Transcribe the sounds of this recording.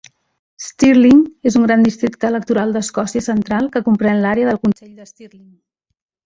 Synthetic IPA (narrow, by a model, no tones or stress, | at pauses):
st̪irliŋezuŋɡɾand̪ist̪ɾik̚t̪əːlək̚t̪uɾalˠd̪əskɔsiəsənt̪ɾalˠkəkumpɾɛnlaɾeəðəlˠkunsɛʎd̪əst̪irliŋ